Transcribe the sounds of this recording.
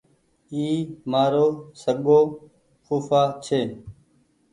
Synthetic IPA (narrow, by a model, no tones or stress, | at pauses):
iːmaːɾoːsəɠoː | xuːfaːt͡ʃʰeː